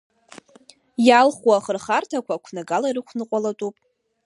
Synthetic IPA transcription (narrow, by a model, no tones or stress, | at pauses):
jalχwaχərχartʰakʷʰaːkʷʰnaɡalairɨkʷʰnɨqʷʼalatʼupʼ